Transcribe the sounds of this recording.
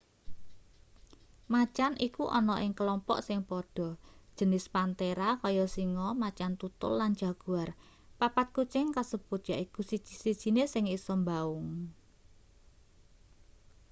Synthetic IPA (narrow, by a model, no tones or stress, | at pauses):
mat͡ʃanʔikuʔɔnɔʔɪŋkəlɔmpɔ̰ʔsɪŋpɔɖ̥ɔ̤d̥ʒ̥ə̤nɪspant̪eɾakɔjɔsiŋɔmat͡ʃant̪ut̪ʊ̰lland͡ʒ̥a̤ɡ̥uar | papat̪̚kut͡ʃɪŋkasəb̥ut̪̚jaʔikusidd͡ʒ̥i̥sid̥ʒ̥i̤nesɪŋisɔmbaʊŋ